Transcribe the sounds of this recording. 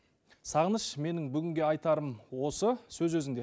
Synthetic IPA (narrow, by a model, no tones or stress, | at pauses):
sɑʁənəʃme̞nɪŋbʏɡʲɪŋɡʲe̞ɑjt̪ɑɾəmwo̞səsɵzwɵzɪŋd̪e